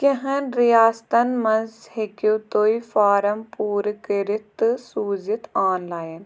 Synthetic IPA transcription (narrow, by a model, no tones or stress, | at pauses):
kẽɦɐnɾijaːst̪ɐnmɐ̃nzhekut̪oːifaːɾɐmpuːɾkɾɪt̪suːzɪt̪aːnlaːjən